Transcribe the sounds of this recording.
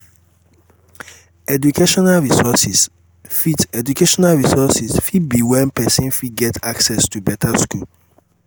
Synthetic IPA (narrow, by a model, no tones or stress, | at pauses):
ɛdukʰeʃɔnalɹisɔsis | fitɛd͡ʒukeʃɔnalɹisɔsisfidbiwɛ̃npɛsɛ̃nfiɡɛtʰaksɛstubɛtʰaskul